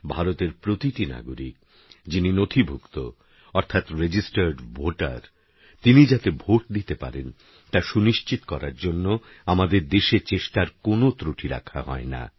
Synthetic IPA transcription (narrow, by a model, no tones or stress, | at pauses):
bʱaɾot̪eɾpɾot̪iʈina̰ɡoɾik̚ | d͡ʑininot̪ʰibʱukt̪o | ɔɾt̪ʰat̪ɾed͡ʑisʈaɾɖbʱoʈa̰ɾ | t̪inid͡ʑat̪ebʱoʈ̚d̪it̪epa̰ɾen | t̪aʃuniʃt͡ɕit̪o̥kɔɾa̰ɾd͡ʑonːo | amad̪eɾd̪eʃet͡ɕeʃʈaɾkonot̪ɾuʈʰiɾa̰kʰa̰ɦɔ̰ena̰